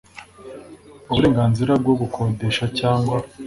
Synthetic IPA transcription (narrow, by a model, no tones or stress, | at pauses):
uuɾe̞ːŋɡaːnziɾab̚ɡo̞ɡukʰode̞ʃacaːŋɡwa